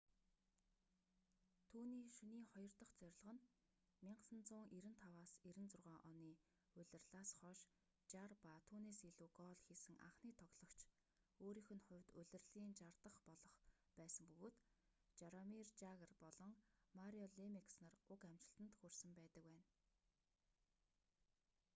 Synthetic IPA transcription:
t̪ʰuːniːʃɵniːχɔjɞ̆rt̪ə̆χt͡sœɾ̆ʲɮʁə̆n | mʲiɴɢsə̆nt͡sʊːŋʔiɾɘ̆nt̪ʰawaːsiɾɘ̆nt͡sʊrʁœːʔɔniː | ʊɮʲɘ̆rɮaːsχɔʃ | t͡ɕarpaːt̪ʰuːneːsiɮuːɡɔːɮxiːsɘ̆ŋʔa̰χniːt̪ʰɔɣɮ̥ɞ̆kt͡ɕʰ | oːɾiːxɵ̆nχʊ̟wʲt̪ʊɮʲɘ̆rɮiːnt͡ɕart̪ə̆χpɔɮɞ̆χ | pæːsə̆mpɵɣoːt̪ | t͡ɕaɾɔmirt͡ɕaɣərpɔɮɞ̆ŋmaɾiɔɮemiksnărʊkam̥t͡ɕɪ̥̆ɬt̪ə̆nt̪xɵrsə̆mpæːt̪ə̆kwæːn

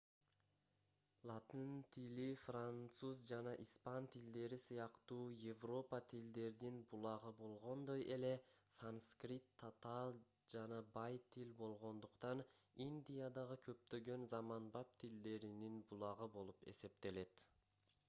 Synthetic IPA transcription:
lˠat̪int̪ʰilifrant̪suzd͡ʒɑnɑʔispɑnt̪ʰild̪e̞ɾisɯjɑqt̪uːje̞vro̞pat̪ʰild̪e̞ɾd̪inbulˠɑʁɯbo̞lˠʁo̞nd̪oje̞le̞sanskrʲit̪ʰːat̪ɑlˠ | d͡ʒɑnɑbɑjt̪ʰilbo̞lˠʁo̞nd̪uqt̪ɑnind̪ʲijad̪ɑʁɯkʰø̞p̚t̪ø̞ɡø̞nzɑmɑnbɑp̚t̪ʰild̪e̞ɾininbulˠɑʁɯbo̞lˠupe̞̰se̞p̚t̪e̞le̞t̪

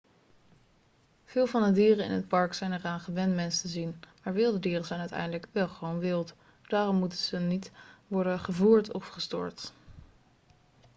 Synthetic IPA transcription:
v̥ɪːlˠvɑndədiːrənɪ̰nɦət̚pɑɹksɛjnəraːnχəʋɛntmɛnstəzinmaːɹʋɪlˠdədiːrənzɛjnœɥtɛ̰jndələkʋɛlˠχəʋownʋɪlˠt | d̥aːrɔmːutəz̥ənitʋɔɹdənχəvuːɹtʰɔfχəstɔ̰ːɹt

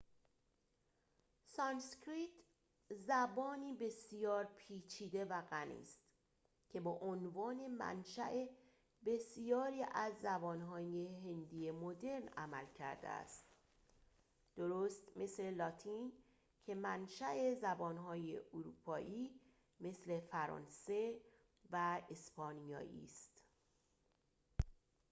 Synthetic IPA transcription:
sɒnskɾit̪ | zæbɒːniːbe̞sijɒːɾpʰiːt͡ʃʰiːd̪e̞væɣænḭːst̪ | cʰe̞bɒʔonvɒːne̞mæ̰nʃæʔe | be̞sjɒːɾiːʔæzːæbɒːnɦɒːjeɦe̞nd̪ijemod̪e̞ɾnæ̰mælcʰæ̰ɾd̪ḛæ̰st̪ | d̪̥oɾoːst̪me̞sle̞lɒt̪ʰin | cʰe̞mænʃæʔe̞zæbɒːnɦɒːjḛʔuɾuːpʰɒːʔiː | me̞sle̞fæɾɒ̰ːnse̞ | væespɒːnijɒ̰ːjʔḭːst̪

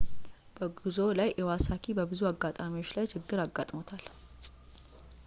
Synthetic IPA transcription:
b̥əɡuzo̞lajʔɛwasakʰibəbɨzuaɡːat̪ʼamiwo̞t͡ʃːlajt͡ʃʰɪɡːɨɾaɡːat̪ʼmot̪ʰal

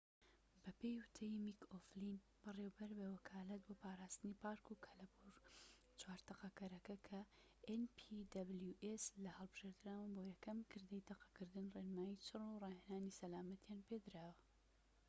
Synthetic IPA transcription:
bɐpejwɨt̪ʰejimikʰoflin | b̥ɨrewbɐɾbewɐkʰaːlɐt̪̚boːpʰaːɾaːst̪ɨnipaːɾkukʰɐlɐbuɾ | t͡ʃwaːɾt̪ɐqɐkɐɾɐkɐkʰɐ | ʔenpʰid̪ɐbljuʔeslɐhɐlˠbɨʒ̥eɾd̪ɨɾaːwɐnboːjɛkɐmkʰɨɾd̪ejt̪ʰɐqɐ̥kɨɾd̪ɨnrenmaːjit͡ʃʰɨrorɑːhenaːnisɐlaːmɐt̪ʰjaːnped̪ɨɾaːwɐ

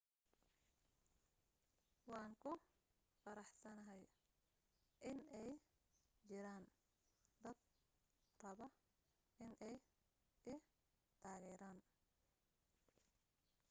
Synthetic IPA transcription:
wɑːŋkʰʊ | fɐɾɑħsɐnɐɦɛj | ʔɪnɛj | t͡ʃɪɾaːn | d̪ɐd̪̚ | rɐβɐ | ɪnʔɛj | ɪ | t̪ʰaːɣɛːɾaːn

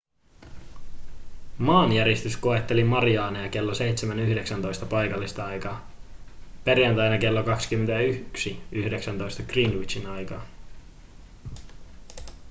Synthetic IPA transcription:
mɑːnjæɾist̪ysko̞e̞t̪ːe̞limɑɾiɑːnɑjɑke̞lːose̞jt̪semænyhde̞ksænt̪o̞jst̪ɑpɑjkɑlːist̪ɑɑjkɑː | pe̞rjænt̪ɑjnɑke̞lːokɑksi̥kymːent̪æyksiyhde̞ksænt̪o̞jst̪ɑɡ̥rinwit͡ʃinɑjkɑː

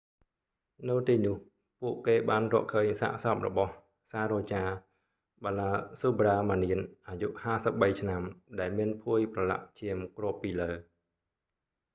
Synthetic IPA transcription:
nɨwt̪iːnʊ̆əh | puəʔkeːɓaːnrɔ̰əʔkʰəːɲsa̰ːʔsɑp̚rɔ̰ɓɑh | saːɾɔːt͡ɕaː | ɓalaːsuːɓraːmaːniənʔaːjuʔhaːsəp̚ɓəjt͡ɕʰnamɗaɛlmiənpʰuəjprɑla̰ʔ̚t͡ɕiəmkrŏəpːiːləː

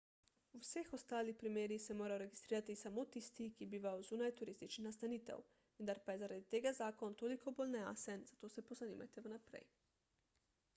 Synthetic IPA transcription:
uwsexɔst̪aːlixpɾimeːɾixsɛmoːɾajoɾɛɡist̪ɾiːɾat̪isamot̪ist̪ikibiːʋajozuːnajt̪uɾiːst̪it͡ʃnixnast̪aniːt̪ɛ̰w | ʋənd̪aɾpajɛzaɾad̪it̪eːɡazaːkɔnt̪oːlikʰoboːlnɛa̰sɛnzat̪oːsɛpɔzanḭma̰jt̪ɛʋənapɾɛ̰j

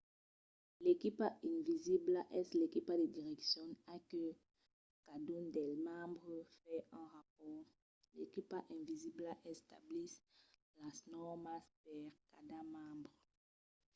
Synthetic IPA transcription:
lekipaĩnviziblaʔɛslekipad̪ed̪iʁɛksjɔ̃nakə | kad̪und̪ɛlmãbʁəfɛɛ̃ʁap̚ɔʁ | lekipaʔɛ̃viziblaʔɛst̪ablis | lasnɔʁmaspɛʁkad̪amãbʁ

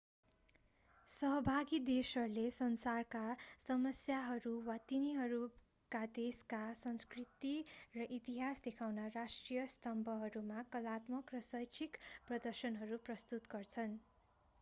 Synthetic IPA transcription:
sʌɦʌbʱaɡid̪esʌrlesʌnsarkasʌmʌsjaɦʌɾuwat̪iniɦʌɾu | kad̪eskasʌnskrit̪irʌʔit̪iɦasd̪ekʰawnarasʈrijʌst̪ʌmbʱʌɦʌɾumakʌlat̪mʌkrʌsʌjt͡sʰikprʌd̪ʌrsʌnɦʌɾuprʌst̪ut̪ɡʌrt͡sʰʌn

